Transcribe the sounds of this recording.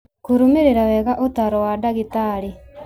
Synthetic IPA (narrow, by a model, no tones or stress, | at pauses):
kuɾumeɾeɾawɛɣaʔotaɾɔwadaɣitaɾi